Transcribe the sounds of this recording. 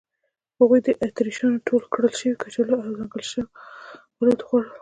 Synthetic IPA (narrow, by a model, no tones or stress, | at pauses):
haɣujd̪əʔat̪ɾiʃɑnʈʰolkɽəlʃəwikat͡ʃelaazɑŋɡəlʃəwwalod̪xaɽə